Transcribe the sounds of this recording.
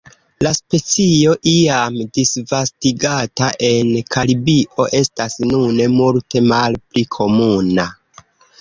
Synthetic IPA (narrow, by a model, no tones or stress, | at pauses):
laspe̞t͡sio̞ʔiamdisvastiɡataʔe̞nkʰaɾibiʔo̞ʔe̞stasnunemulte̞malplikʰo̞muna